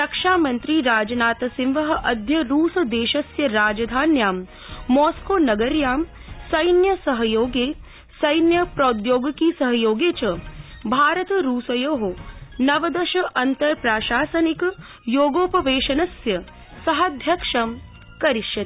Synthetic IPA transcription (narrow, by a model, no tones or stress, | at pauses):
ɾɐkʂaːmɐnt̪ɾiːɾaːd͡ʒɐnaːt̪ɐsimʋɐɦɐ̆ʔɐd̪ʱjɐɾuːsɐd̪eːʃɐsjɐɾaːd͡ʒɐd̪ʱaːnjaːmː | oːskoːnɐɡɐɾjaːmsɐjnjɐsɐɦɐjoːɡeː | sɐjnjɐpɾɐːd̪joːɡkisɐɦɐjoːɡeːt͡ʃɐbʱaːɾɐt̪ɐɾuːsɐjoːɦonɐʋɐd̪ɐʃɐʔɐnt̪ɐɾpɾaːʃaːsɐnik | joːɡoːpɐʋeːʃɐnɐsjɐ | sɐɦɐd̪ʱjɐkʂɐm | kɐɾiʃjɐt̪i